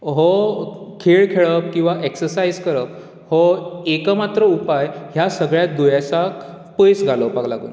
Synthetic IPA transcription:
ɦɔkʰeɭkʰeɭəp̚kĩw̃ʋaʔeksəɾsajzkəɾəp̚ | hɔekamat̪ɾəupajɦjasəɡɭjat̪̚d̪ujasak | pəjsɡʱalɔpaɡlaɡṵːn

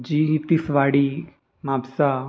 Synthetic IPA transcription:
d͡ʑiːɦit̪isʋaɽiː | mabsa

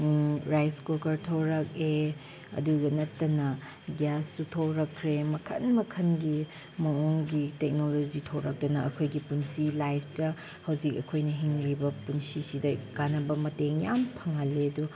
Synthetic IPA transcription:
ɾajskokɐɾtʰowɾɐk̚e | ɐ̰duɡɐnɐtːɐnɐ | ɡasːutʰowɾɐkʰːɾemɐkʰɐ̰nmɐkʰɐnɡi | mɐoŋɡitek̚nolod͡ʒitʰowɾɐk̚tɐnɐɐkʰojɡipunsilajpʰtɐ | hɐwzik̚ɐkʰojnɐɦiŋɾibɐpunsisidɐkanɐbɐmɐteŋjampʰɐŋɐlːedu

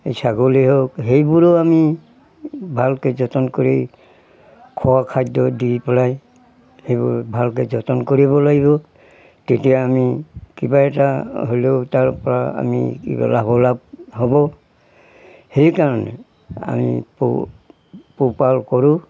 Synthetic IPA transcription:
esʰaɡoleɦokɦejbuɹɔami | bʱalkezɔtɔnkoɹi | kʰɔwakʰajdɔdipɛlaj | hejbʊɹbʱalkezɔtɔnkoɹibɔlaɡiβɔ | tetijaːmikibaɛtaɦoleʊtaɹpɔɹaa̰mḭkḭba̰labɔlab̚hɔbɔ | hejkaɹɔnɛ̰ | a̰mḭp | pupalkɔɹʊ̃

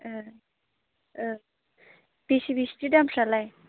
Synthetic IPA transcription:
b̥isibisitidamsalaj

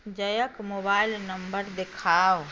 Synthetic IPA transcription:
d͡ʒəjəkmoːbaːɪlnəmbəɾd̪ekʰaːʋ

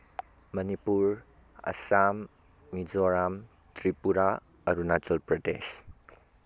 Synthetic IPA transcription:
mɐnipuɾ | ɐ̰samː | izɔɾam | tʰɾipuɾa | ɐɾunatɔlpɾɔdḛs

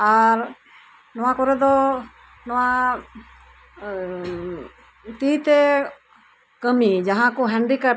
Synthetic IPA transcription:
aɾ | nɔwakɔɾɛd̪ɔ | nɔwa | t̪it̪ɛ | kəmid͡ʒaɦãkɔɦɛɳɖika

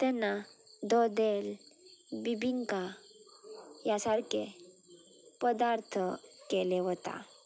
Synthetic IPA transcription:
t̪ɛnːad̪ɔd̪el | bibʱiŋka | jasaɾke | pəd̪aɾt̪ʰəkeleɦɔt̪a̰

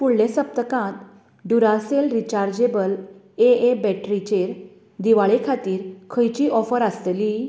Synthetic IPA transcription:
puɽlẽsəp̚t̪əkãt̪ | ɖuɾaselɾit͡ɕaɾd͡ʑebəl | eebɛʈɾit͡ɕeɾ | d̪iʋaɭekʰat̪iːɾkʰəjt͡ɕiːʔɔfəɾəst̪li

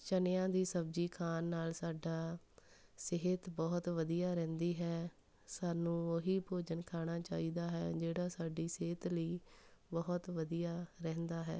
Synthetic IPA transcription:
t͡ʃənɪjãːd̪iːsəb̚d͡ʒiːkʰaːnːaːlsaːɖaː | seɦt̪bɔːt̪ʋəd̪ijaːɾɛ̃ːnd̪iːɦɛː | saːnũːoɦiːpoːd͡ʒənkʰaːɽ̃aːt͡ʃaːiːd̪aːɦɛːd͡ʒeːɽaːsaːɖiːseːt̪ləiːbɔːt̪ʋəd̪ijaːɾɛ̃ːnd̪aːɦɛ̰ː

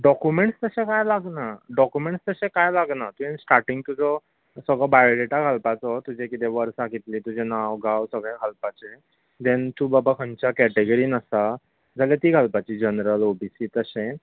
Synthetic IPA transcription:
ɖɔkjumeɳʈst̪əsẽkajlaɡnaɖɔkjumẽɳʈst̪əɕẽkajlaɡnat̪uẽnsʈaɾʈĩŋɡt̪ud͡zʱɔ | səɡɭɔbajɭoleʈaɡʱalpat͡sɔt̪ud͡ʑʱekit̪eʋəɾsaɡit̪liːt̪ud͡ʑʱenawɡʱawsəɡɭẽɡʱalpat͡ɕe | d̪ɛnt̪uːbabakʰəɲt͡ɕakɛʈeɡəɾiːnəsa | d͡zʱalet̪iːɡʱalpat͡ɕiːd͡ʑənɾəlobisiːt̪əɕẽ

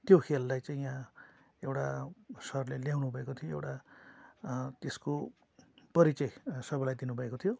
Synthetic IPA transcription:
t̪jokʰelːajt͡saĩjã | ewʈasʌrleljawnubʱʌekot̪ʰijoewʈa | t̪esko | pʌɾit͡sʌsʌbʌlajd̪inubʱʌekot̪ʰijo

